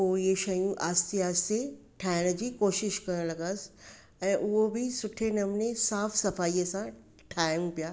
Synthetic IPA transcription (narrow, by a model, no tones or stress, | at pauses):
ojeʃɐjũʔaːst̪iaːst̪e | ʈʰaːɪnd͡ʑikoːʃɪʃkɐɾənlɐɡaːs | ɛ̃ːʔʊɦobʱisʊʈʰenɐmnesaːfsɐfaːiəsã | ʈʰaːjɪmpijaː